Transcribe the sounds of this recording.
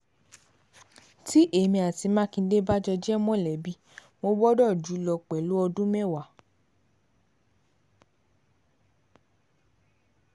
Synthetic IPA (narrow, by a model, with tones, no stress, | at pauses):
ti˦ʔe˦˨mĩ˧a˨ti˧mã˦kĩ˧˦de˦ba˦d͡ʒɔ˧d͡ʒɛ˦mɔ̃˦˨lɛ˨bi˦ | mo˧bɔ˦dɔ˦˨d͡ʒu˨˦lɔ˧k͡pɛ˨lu˨˦ɔ˧dũ˦mɛ˦˨wa˨